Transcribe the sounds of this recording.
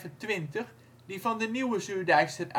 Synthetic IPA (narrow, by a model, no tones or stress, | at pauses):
təntʋɪntəχ | divɑndəniwəzyːdɛjxsənʔ